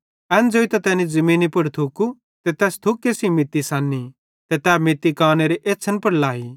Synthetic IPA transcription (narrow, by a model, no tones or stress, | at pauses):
ɛːnd͡zoːit̪ɛt̪ɛːnid͡zɐmĩːnipɐɽt̪ʰuku | t̪ɛt̪ɛːst̪ʰʊkːesimɪt̪ːisãːnːi | t̪ɛt̪ɛːmɪt̪ːikaːneɾeʔeːsʰənpɐɾlaːi